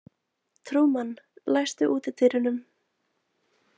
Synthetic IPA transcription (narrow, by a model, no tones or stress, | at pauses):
t̪ʰɾuːmanlajst̪ʏʔuːt̪ɪt̪ʰɪːɾɪnʏm